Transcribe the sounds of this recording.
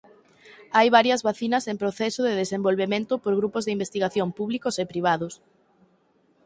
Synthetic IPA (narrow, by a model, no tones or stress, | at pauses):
ajβaɾjɐzβaθinɐsempɾoθɛsʊðeðesembolβemẽnt̪ʊpoɾɣɾupʊzðeimbest̪iɣaθjompuβlikosepɾiβ̞aðʊs